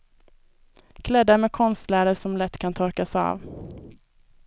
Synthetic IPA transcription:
kʰlɛd̪ːəɾmeːkʰɔnst̪læːɾəʂɔmlɛt̪ːkʰant̪ʰɔɾkasɑ̰ːv

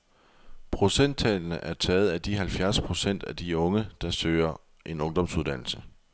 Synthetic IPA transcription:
pʰʁo̝sen̰d̥̚t͡sʰɛ̰ːlnəʔæɐt͡sʰɛːð̩ˠæd̥iɦælfjæɐspʰʁo̝sen̰d̥æd̥iɔ̽ŋəd̥ɑ̈søːɐ | ʔe̝nɔ̽ŋd̥ɒ̽m̰suðˠd̥ænl̩sə

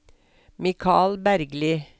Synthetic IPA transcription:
mɪkʰɑːlbæɾɡliː

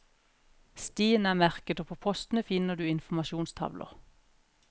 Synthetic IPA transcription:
st̪iːnæːmæʁkət̪oːpʰoːpʰɔst̪n̩əfɪnəʁd̪ʉːɪnfmɑʃuːnst̪ʰɑ̰ʋlʔə̰ʁ

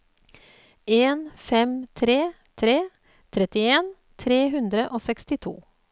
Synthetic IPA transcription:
ʔeːnfɛmt̪ʰɾeː | t̪ʰɾeː | t̪ʰɾɛt̪ɪeːn | t̪ʰɾeːɦʉnd̪ɾəʔoːsɛkst̪ɪt̪ʰṵː

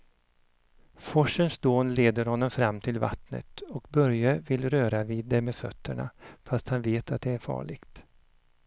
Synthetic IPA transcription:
fɔʂənsd̪oːnleːd̪əɾhɔnːɔmfɾamːt̪ʰɪlva̰t̪nə̰t̪ɔkbœɾjəvɪlɾøːɾaviːd̪ːɛmeːfœ̰t̪ʰːəɳa̰fast̪hanveːt̪at̪̚d̪ɛæɾfɑ̰ːɭɪɡ̥t̪

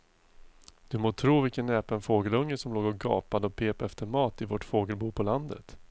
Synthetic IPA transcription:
d̪̥ɵmoːt̪ʰɾuːvɪlkənːɛːpənfoːɡəlɵŋːəsɔmloːɡɔɡɑ̰ːpad̪əɔpʰeːpaɛft̪əɾmɑːt̪ɪvɔʈfoːɡəlbuːpʰɔland̪ə̰t̪

